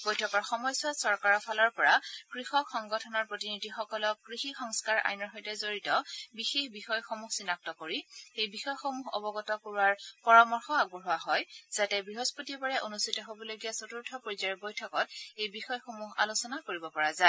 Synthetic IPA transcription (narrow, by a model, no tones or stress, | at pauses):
b̥ojtʰɔkɔɹxɔmɔjswasɔɹkaɹɔpʰalɔɹpɔɹakɹixɔkxɔŋɡɔtʰɔnɔɹpɹotinidʱixɔkɔlɔkːɹixixɔŋskaɹʔa̰jnɔɹxɔjtɛzoɹitɔbixexbixɔjxomuxsinak̚tɔkoɹiejbixɔjxomuɦɔ̰bɔɡɔtɔkoɹuaɹpɔɹɔmɔɹxɔaɡ̚bɔɦuaɦɔjz̥atɛbɹiɦospotiɔbaɹaʔonustʰitɔɦobɔloɡijasotuɹtʰɔpoɹizaɹbojtʰɔkɔt̚ejbixɔjxomuɦa̰losɔnakoɹibɔpɔɹaza